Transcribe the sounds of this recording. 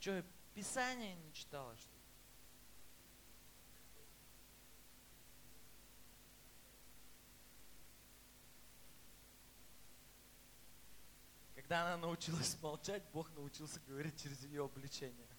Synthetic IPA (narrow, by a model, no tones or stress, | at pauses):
t͡ɕopʲɪsanʲɪjənʲɪt͡ɕɪ̥t̪alˠəʂt̪o | kɐɡd̪aɐnanəʊt͡ɕilˠəsʲmɐlˠt͡ɕætʲbo̞xnəʊt͡ɕilˠsʲəɡəvɐɾʲit̚ʲt͡ɕɪɾʲɪzjɪjo̞ɐblʲɪt͡ɕenʲɪjə